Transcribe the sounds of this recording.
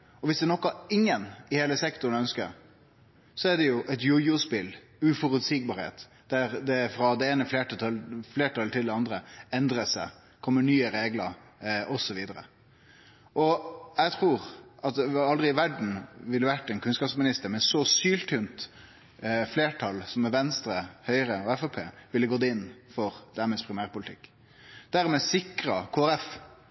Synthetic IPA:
ɔʋɪsd̪ɛnɔkːɑɪŋːənɪheːləsɛkt̪ʊɾən̩œnskəɾ | sɔæɖɛjʊʔɛt̪jʊjʊspɪl | ʉfɔɾʉt̪siːɡ̚bɑːɾhḛːt̪ | d̪æɾd̪ɛfɾɑd̪ɛeːnəfleːʈt̪fleːʈʰɑlt̪ʰɪld̪ɛɑnd̪ɾəɛnd̪ɾəsæ̰ | kʰɔmːəɳyːəɾeːɡləɾ | ʔɔsɔʋiːd̪əɾə̰ | ʔɔɛt̪ʰʁuːɾɑt̪̚d̪ɛɑld̪ʁɪʋæɖɳ̩ʋɪlːəʋæʈːɛnkʰʉnskɑːpsmɪnɪst̪əɾmɛnsɔsyːlt̪ʰʏnt̪ | fleːʈʰɑlsɔmɛʋɛnst̪ɾəhœʏəɾəɔɛfɔpʰḛːʋɪlːəɡoːd̪ɪnːfɔɾd̪̥æɾmɛspʰɾɪmæːɾpʊlɪt̪ʰɪkː | d̪̥æʁmɛsɪkɾɑkʰoːæɾɛf

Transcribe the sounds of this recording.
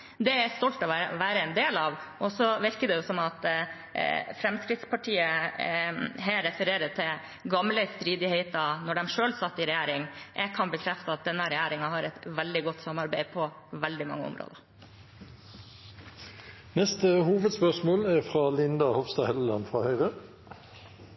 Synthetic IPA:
d̪ɛæst̪ɔlt̪ɔʋʋæːɾəɛnd̪eːlɑʋʔɔsɔʋɪɾkəd̪ɛjʊsɔmɑt̪ | fɾɛmskɾɪt̪spɑʈʰiːə | ɦæːɾːɛfəɾeːɾəʈ̪ʰɪl | ɡɑmləst̪ɾiːd̪ɪheɪt̪ɑnɔɖɛmʂøːlsɑt̪ːɪɾɛjæːɾɪŋʔɛɡ̚kʰɑnbəkʰɾɛft̪əɑt̪̚d̪ɛnːəɾɛjæːɾɪŋɑɦɑɾɛt̪ʋɛld̪ɪɡɔt̪ːsɑmːɑɾbæɪpʰɔ | ʋɛld̪ɪmɑ̰ŋːəɔ̰mɾo̰ːd̪əɾ | nɛst̪əhuːʋəd̪spœʁʂmoːlæʁfɾɑlɪnd̪ɑhɔʋst̪ɑhɛllɑnfʁɑhœʏʁə

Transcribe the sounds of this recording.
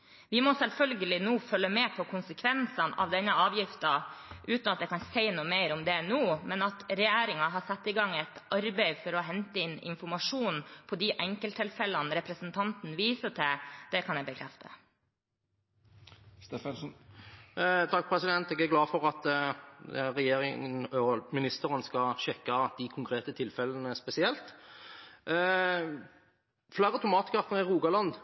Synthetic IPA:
ʋɪmɔsɛlfœlɡəlɪnuːfœlːəmeːpʰɔkʰʊnsəkʰʋɛnsɑnɑ̰ʋd̪ɛnːəɑːʋjɪft̪ɑʔʉːt̪nɑt̪̚d̪ɛkɑnseɪnuːmeɪɾɔmd̪ɛnuːmɛnɑt̪ɾɛjæːɾɪŋɑɦɑsɑt̪ːɪɡɑŋːɛɪt̪ɑɾbɛɪfɔɾɔɦɛnt̪əɪnːɪ̰nfɔɾmɑʂuːnn̩pʰɔd̪iʔɛŋkəlt̪ʰɪlfɛlənɾɛpɾəsənt̪ʰɑnt̪n̩ʋiːsət̪ʰɪd̪̥ɛkʰɑnjɛbəkʰɾɛ̰ft̪ʰə̰ | st̪ɛɛlsn | t̪ʰɑk̚ːpʰɾɛsɪd̪ɛnt̪ɛːɡæɾɡlɑːfɔʁɑt̪ | ɾɛjeːɾɪŋənɔmɪnɪst̪əɾənskɑɕɛkːɑt̪̚d̪ikʰʊŋkʰɾeːt̪ət̪ʰɪlfɛlənəspɛsɪɛlt̪ | flæːɾəɑt̪ʰʊmɑːt̪kʰɑfn̩ɛʁuːɡɑlɑnd̪

